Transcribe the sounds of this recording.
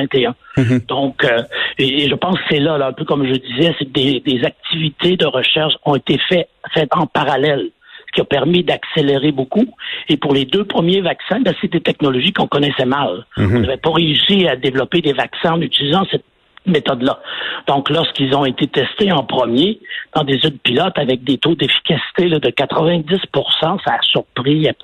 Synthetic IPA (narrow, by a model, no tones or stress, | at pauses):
vɛ̃t̪eɛ̃d̪̥ɔ̃køeːʒəpɑ̃skə̥sɛlalɛ̃pøkɔmʒəd̪izɛsek̚d̪ed̪ezak̚t̪ʰivit̪ʰed̪əʁəʃɛʁʃɔ̃et̪efɛfɛt̪ɑ̃paʁalɛl | sə̥kʲiapɛʁmid̪akseleʁebokuepuʁled̪øpχəmjevaksɛ̃bɛ̃sed̪et̪ɛknɔlɔʒikɔ̃kɔnɛsɛmalɔ̃nnavɛpɔʁeysiad̪evlɔped̪evaksɛ̃ɑ̃nyt͡silizɑ̃sɛt̪̚ | met̪ɔd̪lad̪̥ɔ̃klɔʁskilzɔ̃et̪et̪ɛst̪eɑ̃pχəmjed̪̥ɑ̃d̪ezyd̪̚pilɔt̪avɛk̚d̪et̪od̪efi̥kʲasi̥t̪elʌd̪əkat̪χəvɛ̃d͡z̪ɪspuʁsɑ̃saːsyʁpʁi